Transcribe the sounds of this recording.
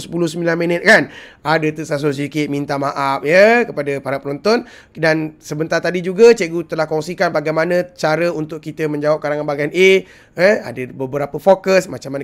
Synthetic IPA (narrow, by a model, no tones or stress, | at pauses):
səpulʊhsəmbilanmənət̪̚kanadət̪usas̬os̬ədikɪt̪̚mint̪amaʔap̚jəkəpadəpaɾat̪pənɔnt̪ɔn | dansəbənt̪art̪adid͡ʒuɡət͡ʃeʔɡut̪əlahkɔŋsikanbaɡajmanə̃t͡ʃaɾəunt̪ʊʔkit̪əmə̃ɲd͡ʒawap̚kaɾaŋanbaɡajane | ɛa̰dəbəbəɾapəfokəsmat͡ʃamːan